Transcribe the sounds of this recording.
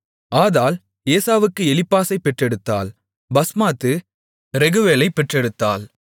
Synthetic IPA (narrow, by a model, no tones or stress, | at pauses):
aːðaːl | eːsaːʋɯkːɯɛlɪpːaːsɐɪpːɛʈrɛɽɯt̪ːa̰ːl | bɐsmaːt̪ːɯ | ɾɛɣɯʋeːlɐɪpːɛʈrɛɽɯt̪ːaːl